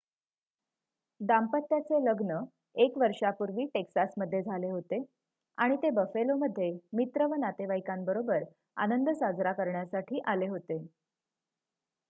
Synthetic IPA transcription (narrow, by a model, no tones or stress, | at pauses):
d̪ampət̪ːjat͡seləɡnə | ekʋəɾʂapuɾʋiːʈeksasməd̪ʱːjed͡zʱaleɦot̪e | aɽ̃it̪ebəfeloməd̪ʱːjemit̪ɾəʋənat̪eʋajkambəɾobəɾ | a̰nənd̪ʱəsad͡zɾakəɾɳjasaʈʰiːʔaleɦot̪e